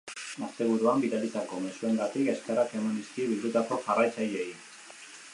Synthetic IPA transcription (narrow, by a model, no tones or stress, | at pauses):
ast̪e̞β̞uɾuambiðalit̪ako̞me̞sue̞ŋɡat̪ike̞skeɾafe̞minist̪iβild̪ut̪ako̞ʝarajt͡sajei